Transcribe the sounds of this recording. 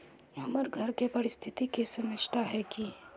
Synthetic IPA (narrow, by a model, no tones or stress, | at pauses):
ɐməɾɡʱɐɾkepɐɾɪst̪ʰɪt̪ikesɐməd͡ʒʱt̪aɦɛki